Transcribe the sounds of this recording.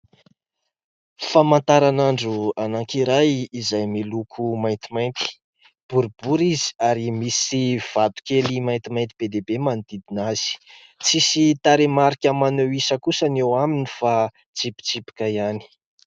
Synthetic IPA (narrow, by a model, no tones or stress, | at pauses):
famãnt̪aɾanaɳɖ͡ʐuanaŋkiɾajizajmilukʰumajnt̪imajnt̪i̥ | b̥uɾbuɾizi̥aɾimisiv̥at̪u̥kelimajnt̪imajnt̪ib̥ed̪ebemand̪id̪inaz̥i̥ | t͡sisit̪aɾemaɾikʲəmaneisəkusanewaminifa | t͡sipi̥t͡sipi̥kajani̥